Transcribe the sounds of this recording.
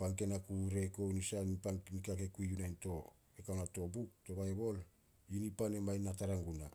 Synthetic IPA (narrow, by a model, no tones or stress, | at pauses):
paŋke̞nakuɾe̞ko̞wnisanipaŋnikake̞kuiunajnto̞ | ekawnato̞buk̚to̞βaebo̞l | inipane̞majnataɾaŋɡuna